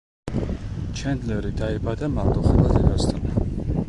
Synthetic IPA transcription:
t͡ʃʰɛnd̪lɛɾid̪aibad̪amald̪ʼɔχɛlˠad̪ɛd̪ast̪ʰɔna

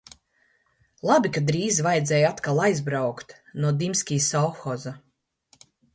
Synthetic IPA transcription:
lˠabikad̪ɾiːzvajd̪zɛːjat̪kalˠajzbɾawkt̪nuɔd̪imsʲkʲiːsawxɔza

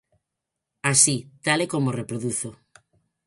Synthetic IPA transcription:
asit̪alekomorepɾoðuθo

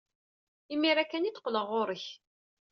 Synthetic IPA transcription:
imiɾækːæniθqːləʁʊɾˤəç

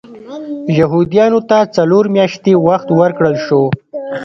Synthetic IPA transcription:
jaɦud̪ijɑnot̪at͡saloɾmjɑʃt̪ewaxt̪wəɾkɽəlʃo

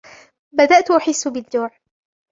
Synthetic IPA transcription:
bad̪aʔt̪ʔʊħɪsːʊbɪd̪d͡ʒːuːʕ

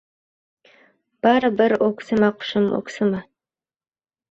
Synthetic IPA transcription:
b̥aːɾɨbɨrɔkʷʰsɨmaqʷʊ̥ʃɨmɔ̰kʷsɨmɐ

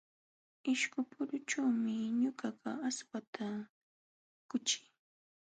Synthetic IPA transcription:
ɪʃkʊpʊɾʊʈ͡ʂawmɪɲʊɢɑɢɑaswat̪ʰa | kʊt͡ʃɪ̥j

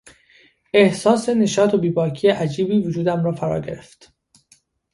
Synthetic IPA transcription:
e̞hsɒːse̞ne̞ʃɒːt̪ʰobiːbɒːcʰijeʔæd͡ʒiːbiːvod͡ʒuːd̪æmɾɒːfæɾɒ̰ːɾɟe̞ɾe̞ft̪

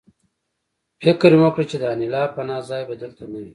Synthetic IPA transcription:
fɪkɾjumokɽet͡ʃed̪aːnilaːpɐnaːzaːjbɐd̪əlt̪anawi

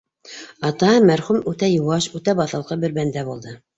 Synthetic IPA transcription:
ɑt̪ɑmæɾχumʉt̪æjŭwɑʃʉt̪æbɑθɤ̆lˠqɤbɘ̆ɾbænd̪æbulˠd̪ɤ

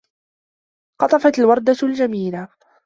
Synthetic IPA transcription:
qɑt̪ˤɑfat̪alwɑɾˤd̪ald͡ʒamiːla

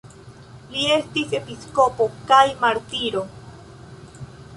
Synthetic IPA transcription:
lie̞stise̞pisko̞po̞kajmaɾtiɾo̞

